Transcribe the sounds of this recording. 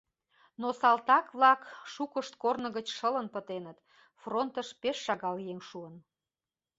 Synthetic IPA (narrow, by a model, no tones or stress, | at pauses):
nosɑlt̪ɑkβlɑkʃukəʃt̪̚kornə̆ɣət͡ɕʃələnpət̪enət̪ | front̪əʃpeʃːɑɣɑljeŋʃuən